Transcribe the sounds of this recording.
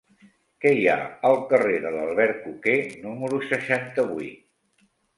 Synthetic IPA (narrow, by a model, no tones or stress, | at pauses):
kɛja̰əlˠkəreðələlˠβɛɾkukenuməɾusəʃant̪əβuit̪